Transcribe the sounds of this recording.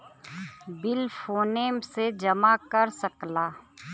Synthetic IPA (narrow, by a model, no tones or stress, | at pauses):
bɪlfoːneːmsed͡ʒɐmakɐɾsɐklaː